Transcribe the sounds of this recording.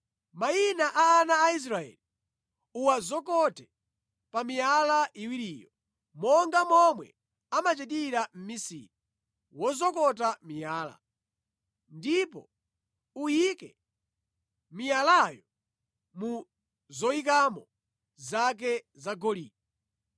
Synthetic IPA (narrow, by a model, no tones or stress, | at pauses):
majinaʔaːnaːis̬ɾaɛ̰li | uwazɔkɔtɛ | pamijalaʔiwiɾiːjɔ | mɔŋɡamɔmwɛ̰ | amat͡ʃɛt̬iɾam̩misḭɾi | wɔzɔkɔt̬amijaːla̰ | ndipɔ̰ | ujikɛ | mijalajɔ | mu | zɔik̬amɔ | zak̬ɛzaɡɔlḭːp̚ɔ